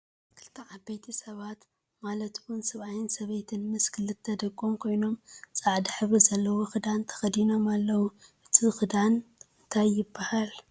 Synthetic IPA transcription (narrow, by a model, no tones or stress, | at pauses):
kʰɨlt̪ʰɐʕabejt̪ʰisɐβat̪ | malɐt̪wunsɐβajɪnsɐβɐjt̪ʰɨnmɨskʰɨlɨt̪ʰːɐd̪ɐkʼːomkʰo̞jno̞mt͡sʼaʕd̪iħɨβizɐlːɐwoxɨd̪ant̪ʰɐ̥xɐd̪ino̞malːɐwuʔɨt̪ʰixɨd̪anɨnt̪ʰajːɪbːahal